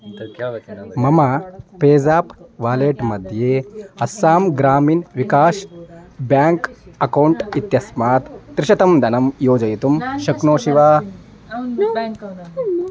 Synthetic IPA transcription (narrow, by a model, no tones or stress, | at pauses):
mɐmɐpeːzaːpʋaːleːʈmɐd̪ʱjeːhɐsaːmɡɾaːmiːnʋikaːʃbjaːŋkɐkɐwɳʈit̪jɐsmaːt̪ːɾɪʃɐt̪ɐmd̪ʱɐnɐmjoːd͡ʒɐjit̪umʃɐknoːʃiʋaː